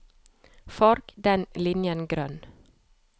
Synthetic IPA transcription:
fɔɾkd̪ɛnlɪnjənɡɾœn

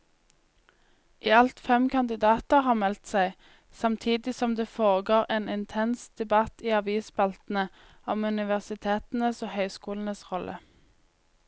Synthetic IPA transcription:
ʔiːɑlt̪fɛmkʰɑnd̪ɪd̪ɑːt̪əʁhɑːʁmɛlt̪sæɪ | sɑmt̪ʰiːd̪ɪsɔmd̪eːfoːʁəɡoːʁeːnɪnt̪ʰɛnsd̪̥ɛbɑt̪iːɑʋiːsbɑlt̪n̩ə | ɔmʉnɪʋæʁsɪt̪ʰeːt̪n̩əsoːhœʏskuːln̩əsʁɔlʔə̰

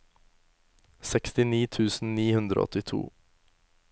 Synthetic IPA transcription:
sɛkst̪ɪniːt̪ʰʉːsn̩niːhʉnd̪ɾo̰ːɔ̰t̪ɪt̪ʰṵː

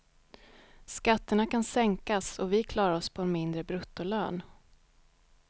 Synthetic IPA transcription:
skat̪ːəɳakʰansɛŋkasɔvɪkʰlɑːɾaɾɔspʰɔɛnmɪnd̪ɾəbɾɵt̪ːʊløːn

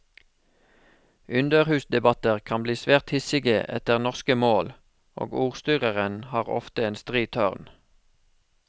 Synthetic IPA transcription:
ʔʉnd̪əʁhʉːsd̪ɛbɑt̪əʁkʰɑnbliːsʋeːʁt̪hɪsɪɡəʔɛ̰t̪əʁnɔʁskəmoːl | o̰ːɡuːʁst̪yːʁəʁənhɑːʁɔ̰ft̪əeːnst̪ʁiːt̪ʰœʁn

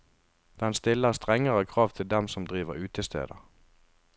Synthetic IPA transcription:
d̪̥ɛnst̪ɪlːəʁst̪ʁɛŋəʁəkʰʁɑːʋt̪ʰɪld̪ɛmsɔmd̪ʁiːʋəʁʉːt̪ʰəst̪ʰḛːd̪ə̰

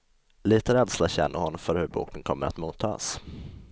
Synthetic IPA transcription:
liːt̪əɾɛd̪slaɕɛ̰nːəɾhɔnːɔmfœɾhɵɾbṵːkənkʰɔmːə̰ɾa̰t̪muːt̪ʰːɑ̰ːs

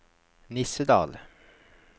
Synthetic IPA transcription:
nɪsəd̪ɑ̰ːl

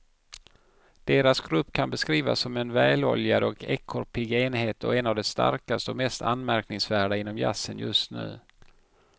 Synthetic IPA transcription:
d̪̥eːɾasɡɾɵpːkʰanbɛskɾiːva̰sːɔmɛnvɛːlɔljad̪ɔkʰɛkʰːɔɾpʰɪɡeːnheːt̪ɔ̰ɛnavd̪ɛst̪a̰ɾkast̪əɔmɛst̪ʰa̰nmæɾknɪŋsvæːɖaɪnːɔmja̰sənjɵst̪nʉ̟̰ː

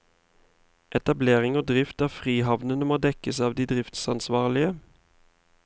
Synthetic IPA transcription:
ʔɛt̪ɑbleːʁɪŋoːd̪ʁɪft̪æʁfʁiːɦɑʋnənəmɔd̪ɛkəsɑːʋd̪iːd̪ʁɪft̪sɑnsʋɑːʁlɪə

